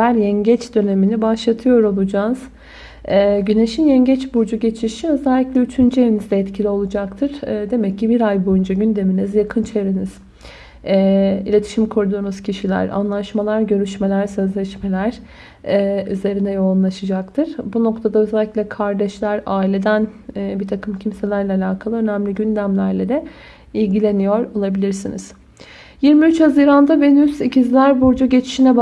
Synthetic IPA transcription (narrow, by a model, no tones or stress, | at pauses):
æɾjɛɲɟɛt͡ʃd̪ø̞ne̞minibaʃlˠat̪ʰɯjo̞ɾolˠud͡ʒaːz̥ | ɛːɟyne̞ʃinjɛɲɟɛt͡ʃbuɾd͡ʒuɟe̞t͡ʃʰiʃiø̞zɛlʲːiclʲɛyt͡ʃʰynd͡ʒyevʲinizd̪ɛɛt̪cʰilʲio̞lˠud͡ʒakt̪ʰɯɾ̥ːd̪e̞mɛcːibiɾajbo̞jund͡ʒaɟynd̪e̞minizjakʰɯnt͡ʃʰeɾiniz̥ | ɛḭlʲe̞t̪ʰi̥ʃimkʰoɾud̪uːnuz̥cʰiʃilʲæ̰ɾa̰nlˠaʃmalˠaɾɟø̞ɾyʃme̞lʲæɾsø̞zlʲɛʃme̞lʲæɾ̥ | ɛyze̞ɾind̪ɛjo̞unlˠaʃɯd͡ʒak̚t̪ʰɯɾ̥buno̞kt̪ʰad̪aøzælʲːiclʲɛkʰaɾd̪ɛʃlʲæɾaːilʲe̞d̪ænːbit̪ʰakʰɯmcʰimse̞lʲæɾlʲɛalʲaːkʰalˠɯø̞næmlʲiɟynd̪æmlʲæɾlʲed̪ɛ | ilʲɟilʲe̞nijoɾo̞lˠabilʲiɾsinḭz̥ | jiɾmiyt͡ʃhaziɾand̪abe̞nyzicizlʲæɾbuɾd͡ʒaɟe̞t͡ʃʰi̥ʃinɛb